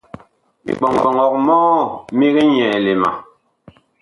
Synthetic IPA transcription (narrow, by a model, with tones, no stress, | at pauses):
mḭ˦k͡pɔ˨ŋk͡pɔ˨ŋɔ˨k̚mɔ˦mi˦ɣɛ˦ɲɛ˨le˨ma̰˨